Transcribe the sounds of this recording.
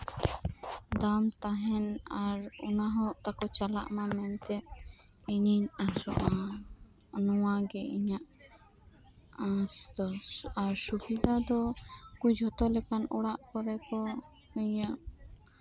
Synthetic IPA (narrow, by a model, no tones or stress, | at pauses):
d̪amt̪aɦɛnaɾṵnaɦɔʔt̪akɔt͡ʃala̰ʔmamɛnt̪ɛt̪̚iɲiɲasɔʔa | nɔwaɡɛiɲaʔ | asd̪ɔaɾsubid̪ad̪ɔkud͡ʒɦɔt̪ɔlɛkanɔɽaʔkɔɾɛkɔ | həjaʔ